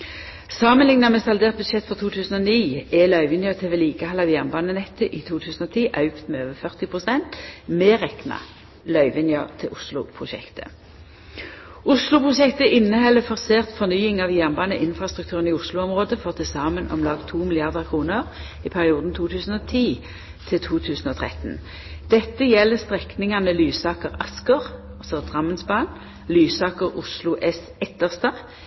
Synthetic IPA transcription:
sɑːmənlɪŋnɑmɛːsɑld̪eːʁt̪̚bʉd̪ʃɛt̪ːfɔʁt̪ʰuːt̪ʰʉːsən̩ɔniːɛlœʏʋɪnjɑt̪ʰeːʋɛːliːkəhɑlːɑʋjæʁnbɑːnənɛt̪ːəʔiːt̪ʰuːt̪ʰʉːsn̩ɔːt̪ʰiːʔɑʉkt̪meːøːʋəfœʁt̪ɪpʰʁʊsɛnt̪meːʁɛknɑ̰ | lœʏʋɪnjɑt̪ʰɪʔʊslʊ̰pʰʁʊʃɛ̰kt̪ʰə̰ | ʊslʊpʰʁʊʃɛkt̪əʔɪnːəhɛlːəfɔʁseːʁt̪fɔʁnyːɪŋɑʋjæʁnbɑːnə̰ʔɪnfʁɑst̪ʁʉk̚t̪ʉːʁəniːʊslʊɔmʁoːd̪əfɔʁt̪ʰɪsɑːmənʔɔ̰mlɑːɡt̪ʰuːmɪlɪɑʁd̪əkʰʁuːnəʁ | ipʰæʁɪuːd̪n̩t̪ʰuːt̪ʰʉːsn̩ɔt̪ʰiː | t̪ʰɪt̪ʰuːt̪ʰʉːsn̩ɔːt̪ʰʁɛ̰t̪n̩ | d̪̥ɛt̪ːəjɛlːəst̪ʁɛknɪŋɑnəlyːsɑːkəʁɑskəʁɑlsɔd̪̥ʁɑmːənsbɑːn | lyːsɑːkəʁʊslʊʔɛs | ɛt̪ːəʁst̪ɑʁ

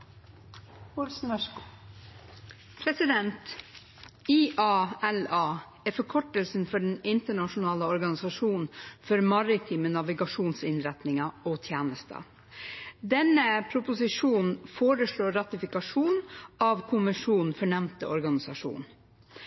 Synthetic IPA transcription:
ɔlsn̩ʋæʂkː | pʰɾɛsɪd̪ɛnt̪ | iʔɑːɛlɑː | æɾfɔɾkʰɔʈəlsn̩fɔɖɛnɪnt̪əɳɑʂʊnɑːləɔɾɡɑnɪsɑʂuːnnfɔɾmɑɾɪt̪ʰiːmənɑʋɪɡɑʂuːnsɪnɾɛt̪nɪŋɑɔːt̪ʰjeːnəst̪ə̰ | d̪ɛnəpʰɾʊpʊsɪʂuːnn̩foːɾəʂɭoːɾɑt̪ɪfɪkɑʂuːnɑʋkʰʊmʋɪʂuːnn̩fɔɳɛmnt̪əɔɾɡɑnɪsɑʂṵːn

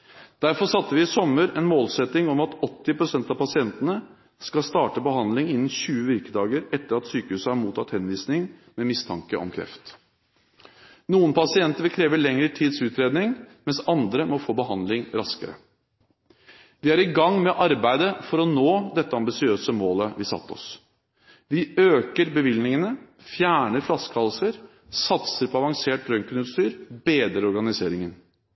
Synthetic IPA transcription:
d̪̥æɾfɔʂɑt̪ːəʋɪɪsɔmːəɾɛnmoːlsɛt̪ːɪŋɔmɑt̪ɔt̪ːɪpʰɾʊsɛnt̪ɑʋpɑsɪɛnt̪ənə | skɑlst̪ɑːʈəbəɦɑnd̪lɪŋɪnːn̩ɕʉːəʋɪɾkəd̪ɑːɡəɾɛt̪ːəɾɑt̪syːkəʉːsəhɑɾmuːt̪ʰɑt̪hɛnʋiːsnɪŋmɛmɪst̪ʰɑŋkəʔɔ̰mkʰɾɛ̰ft̪ | nuːənpɑsɪɛnt̪əɾʋkʰɾeːʋəɭɛŋəʈʰiːd̪sʉːt̪ɾeːd̪nɪŋmɛnsɑnd̪ɾəmɔfoːbəɦɑnd̪lɪŋɾɑskə̰ɾə̰ | ʋɪæɾɪɡɑŋːmɛʔɑɾbæɪd̪əfɔɾɔnoːd̪ɛt̪ːəɑmbɪsɪøːsəmoːləʋɪsɑ̰t̪ːɔ̰s | ʋɪøːkəɾbəʋɪlnɪŋənə | fjæːɳəɾflɑskʰɑlsəɾ | sɑt̪səɾpʰɔɑʋɑŋseːʈ̚ɾœŋkənʉːt̪st̪yːɾbeːd̪ɾəɾɔɾɡɑnɪseːɾɪŋən

